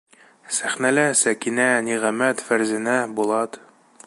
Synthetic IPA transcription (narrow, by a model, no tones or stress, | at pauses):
sæχnælæsækinæniʁæmæt̪fæɾzɘ̆næbulˠɑt̪